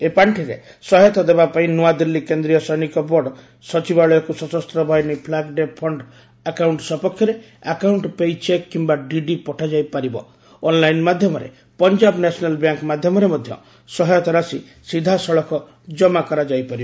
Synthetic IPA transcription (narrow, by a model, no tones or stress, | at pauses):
epaɳʈʰiɾḛ | sɔɦjɔt̪ɔd̪ebapaĩnuad̪ilːikend̪ɾijɔsɔjnikɔbɔɖ | sɔt͡ʃibaɭɔjɔkusɔsɔst̪ɾɔbʱɔjnipʰlaɡɖepʰɔɳɖ | akawɳʈsɔpɔkʰjɔɾe | akawɳʈpejt͡ʃekːimbaɖiɖipɔʈʰad͡ʒajpaɾibɔ̰ː | nlajnmad̪ʱjɔmɔɾḛ | pɔnd͡ʒabnesɔnalbjaŋkmad̪ʱjɔmɔɾemɔd̪ʱjɔ̰ | sɔɦjɔt̪ɔɾasi | sid̪ʱasɔɭɔkɔ | d͡ʒɔmakɔɾad͡ʒajpaɾibɔ